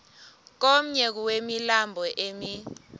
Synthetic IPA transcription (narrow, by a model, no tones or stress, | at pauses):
k̬om̩ɲɛk̬uwemilambʱɔʔemi